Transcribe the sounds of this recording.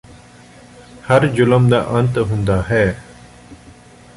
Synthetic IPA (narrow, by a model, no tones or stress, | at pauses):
həɾd͡ʑʊləmd̪aʔənt̪ɦũːnd̪aːɦɛː